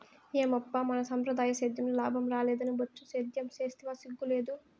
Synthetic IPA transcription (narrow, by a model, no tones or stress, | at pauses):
eːmɐpːamɐnɐsɐmpɾɐd̪aːjɐsɐd̪jɐmlulaːbʱɐmɾaːlɛːd̪ɐnibɐt͡ʃːusɐd̪jɐmt͡ʃeːst̪iʋaːsiɡːuleːd̪u